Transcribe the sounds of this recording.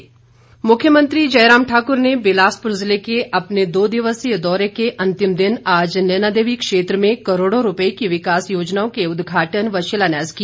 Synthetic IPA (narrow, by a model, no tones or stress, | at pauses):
mʊkʰːjəmə̃nt̪ɾid͡ʒɐjɾaːmʈʰaːkʊɾneʋɪlaːspɾʊzlekeʔɐpned̪oːd̪ɪʋəsjəd̪ɔːɾekeʔɐ̃nt̪ɪmd̪ɪnaːd͡ʒnenaːd̪eːʋikʃeːt̪ɾəmẽkɐɾoːɽõɾʊpəekiʋɪkaːsjoːd͡ʒnaːõkeʊd̪ɡʱaːʈənʋɐʃəlaːnaːzki